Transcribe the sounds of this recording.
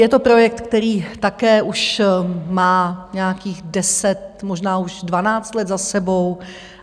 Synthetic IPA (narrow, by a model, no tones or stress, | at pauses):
jɛt̪o̞pɾo̞jɛk̚t̪kt̪ɛɾiːt̪akɛːʔuʃmaːɲɛakiːɣdɛsɛt̪̚moʒnaːuʒdvanaːt͡st̪lɛt̪zasɛbo̞w